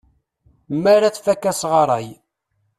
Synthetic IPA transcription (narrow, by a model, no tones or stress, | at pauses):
mːaɾaθfækːæsʁɑɾˤɑj